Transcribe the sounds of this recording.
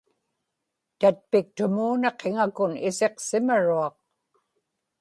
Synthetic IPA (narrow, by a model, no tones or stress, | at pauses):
t̪at̪̚pɪk̚t̪ʊmuːnɑqʰeŋakʊnɪse̞qsɪmaɻuɑq̚